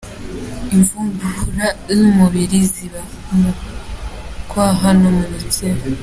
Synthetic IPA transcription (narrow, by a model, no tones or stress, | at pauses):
iɱvuːmbuɾaumuβiɾiziβa | mu | kwaɦanomuɾiteɾo